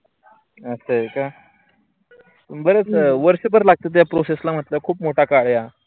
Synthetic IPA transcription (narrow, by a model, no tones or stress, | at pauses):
əsəeka | bəɾet͡sʋəɾɕəbəɾlaɡ̚t̪ət̪̬japɾoseslam̤ət̪ləkʰuːpmoʈakaɭja